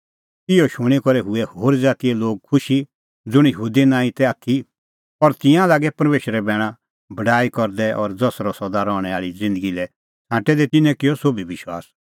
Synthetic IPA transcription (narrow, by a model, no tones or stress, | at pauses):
ɪjɔʃʊɽ̃ikɔɾɛɦʊɛhoːɾd͡zaːt̪iɛloːɡ̚kʰʊʃi | d͡zʊɽ̃jəɦuːd̪inãːĩt̪ɛat̪ʰːi | pɐɾt̪ɪ̃jãlaːɡɛpɐɾmeːʃəɾɛbɛːɽ̃ã | bɐɖaːikɔɾd̪ɛʔɔɾd͡zɔsɾɔsɔd̪aɾɔːɽ̃ɛaːɭid͡zɪ̃nd̪əɡilɛ | sʰãːʈɛd̪ɛt̪ɪnɛ̃kɪjɔsobʱibɪʃwa̰ːs